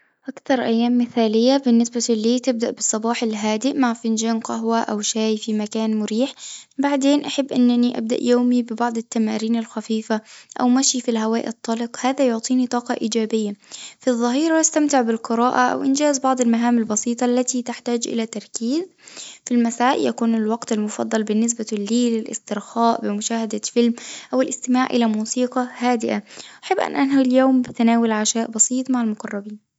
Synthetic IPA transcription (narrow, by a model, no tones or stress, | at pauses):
ʔakt̪ɑɾˤʔajːaːmːɪθaːlɪjːabɪnːɪsbaliːt̪ɪb̚d̪aʔbɨsˤːɑbɑːħɪlɦaːd̪ɪʔmaʕfɪnd͡ʒaːnqɑɦwaʔawʃaːjfimakaːnmʊɾiːħbaʕd̪eːnʔaħabːʔɪnːaniʔa̰b̚d̪a̰ʔjoːmibɪbɑʕd̪ˤɪt̪ːamaːɾiːnalxafiːfaʔa̰wmaʃjifilɦawaːʔt̪ˤːɑlɪqhaːðajʊʕt̪ˤiːnit̪ˤɑːqɑʔiːd͡ʒaːbɪjːafiðˤːɑɦiːɾˤɑjast̪amt̪ɪʕbɪlqɨɾɑːʔaʔa̰wʔɪnd͡ʒaːzbɑʕd̪ˤɪlmaɦaːmalbɑsiːt̪ˤɑʔlːat̪it̪ɪħt̪aːd͡ʒʔɪ̰læːt̪ɑɾˤkiːzfilmasaːʔjakuːnɪlwɑɡt̪ɪlmʊfɑ̰d̪ˤːɑlbɪnːɪs̬balːiːlɪlʔɪ̰st̪ɪɾxæːʔbɪmʊʃaːhad̪afɪlmʔawɪlʔɪst̪ɪmaːʕʔɪ̰læmuːsiːqɑhaːd̪ɪʔaʔaħɪbːʔa̰nʔanhaljoːmbɪt̪naːwɪlʕaʃaːʔbɑsiːt̪ˤmaʕalmʊqɑrˤːɑbiːn